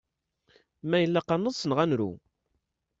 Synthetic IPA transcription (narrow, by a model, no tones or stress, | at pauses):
mæjəlːæqɑnːəðˤsənʁænɾṵ